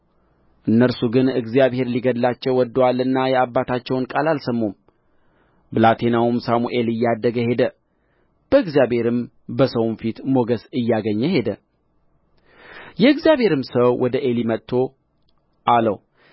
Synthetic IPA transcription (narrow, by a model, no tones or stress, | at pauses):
ʔɨnːəɾsuɡɨnɨɡzjaβhe̞ɾliɡəd̪lat͡ʃːɛwːɔd̪ːoalɨnːajɛabːat̪ʰat͡ʃːɛwnkʼalalsəmːum | bɨlat̪ʰe̞nawumsamuʔe̞lɨjːad̪ːəɡəhe̞d̪ə | b̥əɨɡzijabhe̞ɾɨm | bəsəwnfit̪mo̞ɡəsɨjːaɡəɲːəhe̞d̪ə | jɛɨɡzijaβhe̞ɾɨmsəwwʔɔd̪əʔe̞limət̪ʰːo̞ | ʔalə̰w